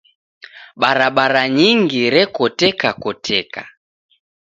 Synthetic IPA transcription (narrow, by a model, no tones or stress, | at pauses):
ɓaɾaɓaɾaɲiŋɡiɾɛkɔtɛkakɔtʰɛka̰